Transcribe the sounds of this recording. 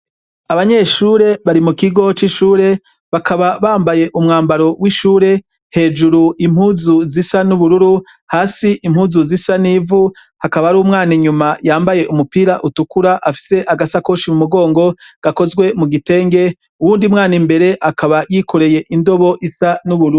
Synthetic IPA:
aβaɲe̞ʃuːɾe̞βaɾimukiɡo̞t͡ʃiʃuːɾe̞ | βakʰaβaβaːmbaje̞ʔumŋaːmbaɾo̞wiʃuːɾe̞ | he̞ːd͡ʒuɾuim̥huzuzisanuβuɾuɾu | haːsiʔimhuːzuzisaniːvu | hakaβaɾuːmŋaːniɲumajaːmbaje̞ʔumupiːɾaʔutukuɾaʔafi̥se̞ʔaɡasakoʃimumuɡo̞ːŋɡo̞ɡ̥ako̞zɡwe̞muɡite̞ːŋɡe̞ | uwuːndimŋaːnimbe̞ɾe̞ʔakʰaβajikʰo̞ɾe̞je̞ʔindo̞βo̞ʔisanuβuɾu

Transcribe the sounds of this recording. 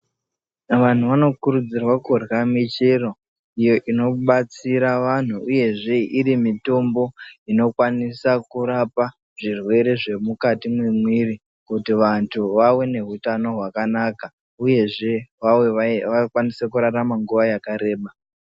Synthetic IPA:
ʋan̤uʋano̞kuɾud͡zirwakorɣamit͡ʃero | ijo̞ʔino̞ɓat͡siɾaʋan̤uuje̞ʐe̞iɾimito̞mbo̞ino̞kwanisakuɾapa | ʐ̥irwe̞ɾe̞ʐe̞mukatimwemwiri | kutiʋantʰuʋawene̞ɦutano̞ɦwakanaka | uje̞ʐe̞ʋaweʋakwanisekuɾaramaŋɡuʋajakaɾe̞ːɓa

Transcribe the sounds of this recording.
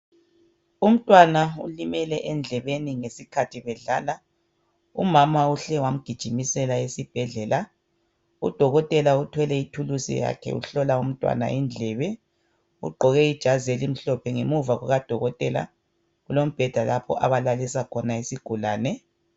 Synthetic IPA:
um̩tʼwanaṵlimɛlɛʔɛnd͡ɮʱɛβeniŋesikʰatʰiβɛɮaːla | ṵmamauɬɛwam̩ɡ̥ʱid̥ʒ̥ʱimisɛlaesib̥ʱɛɮɛːla | ud̥ʱɔɣɔtʼɛlautʰwɛlɛitʰulusḭja̰kʰɛ̰ṵɬɔlaum̩tʼwa̰na̰ind͡ɮʱɛβɛ | ṵɡ͡ǃʱɔɣɛid̥ʒ̥ʱazelim̩ɬɔpʰɛŋḛmuvaɣuɣad̥ʱɔɣɔtʼɛla̰ | ulom̩b̥ʱɛd̥ʱalapʰɔ̰ʔaβalalisakʰɔnaisiɡ̥ʱulaːnɛ

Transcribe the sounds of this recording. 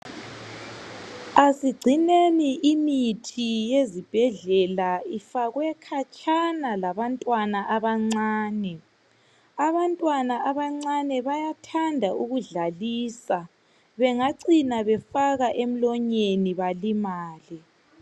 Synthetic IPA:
asiɡ͡ǀʱineniʔimitʰijezib̥ʱɛɮɛlaifaɣwɛkʰat͡ʃʼanalaβantʼwanaʔaβaŋ͡ǀaːnɛ | aβantʼwanaaβaŋ͡ǀanɛβajatʰandʱauɣuɮaliːsa | βɛŋaǀinaβɛfaɣaʔem̩lɔɲeniβalimaːli

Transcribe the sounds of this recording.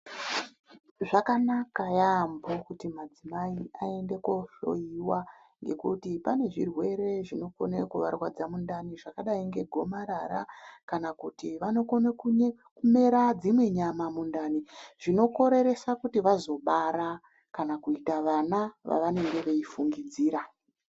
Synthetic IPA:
ʐakanakajaːmbo̞kutimad͡zimaiae̞nde̞koʃo̞̰iwa | ŋɡe̞̰kutipane̞ʐirwe̞ɾe̞ʐino̞konekuʋarwad͡zamundaniʐakaɗaiŋɡe̞ɡʱo̞maɾaɾa̰kanakutiʋano̞konekuɲe | kume̞ɾad͡zimwe̞ɲamamundaniʐ̥ino̞ko̞ɾe̞ɾe̞sakutiʋazo̞ɓaɾa | kanakuitaʋanaʋa̰ʋane̞ŋɡe̞ʋe̞ifuŋɡid͡ziːɾa

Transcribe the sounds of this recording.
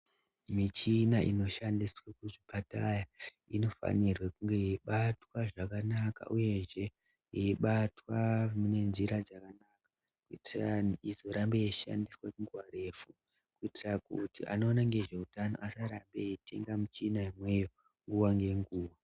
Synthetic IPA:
mit͡ʃinaʔḭno̞ʃandiswakuʐipataja | ino̞fa̰nirwekuŋɡe̞iɓatwaʐakanaka̰ʔuje̞ʐe̞ | iiɓatwamune̞nziɾad͡zakanakḁ | kuitiraniizo̞ɾambeeʃa̰ndiswakuŋɡwaɾe̞fu | kuitirakutiʔa̰no̞ːnaŋɡe̞ʐe̞utano̞̰ʔasaɾambete̞̰ŋɡamut͡ʃinaimwe̞jo̞ | ŋɡuwaŋɡe̞ŋɡuːwa

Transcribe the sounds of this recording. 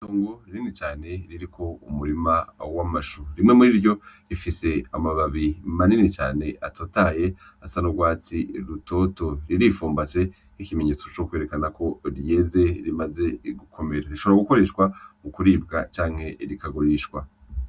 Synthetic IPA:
toːŋɡo̞ɾiɾiŋet͡ʃaːne̞ɾiɾikʰo̞ṵmuɾimawamaʃuɾimŋemuɾiːɾɟo̞ɾifise̞amaβaβimaninet͡ʃa̰ːne̞atotaje̞ | asanoɡwaːt͡siɾuto̞ːto̞ɾiɾifuːmbat͡se̞ | ikime̞ɲe̞ːt͡so̞t͡ʃokwe̞ɾe̞kanako̞ɾje̞ze̞ɾimaze̞ɡukʰo̞me̞ɾaɾiʃo̞βoɾaɡuko̞ɾe̞ːʃkwamukuɾiːbɡat͡ʃaːŋhe̞ɾikaɡuɾiʃkwa

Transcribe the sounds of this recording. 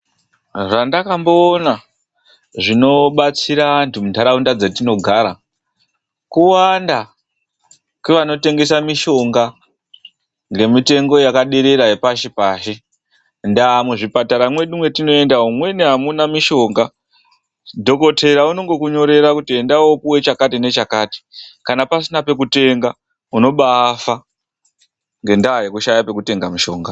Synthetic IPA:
randakambo̞ːna | ʐino̞ɓat͡siɾaantumutaɾaundad͡zetino̞ɡʱaɾa | kuwanda | kweʋano̞te̞ŋɡe̞samiʃo̞ŋɡa | ŋɡe̞mite̞ŋɡo̞jakaɗeɾeɾaepaʃipaːʃi | ndaːmuʐipataɾamwe̞ɗimwe̞tino̞e̞ndaɦumwe̞neɦamunamiʃo̞ːŋɡa | dʱo̞ko̞tʰe̞ɾauno̞ŋɡo̞kuɲo̞ɾe̞ɾakutiendaopuwe̞t͡ʃakatine̞t͡ʃakaːti̥kanapasinape̞k̬ute̞ŋɡa | uno̞ɓaːfa | ŋɡe̞ndaːje̞kuʃajape̞kute̞ŋɡamiʃo̞ːŋɡa

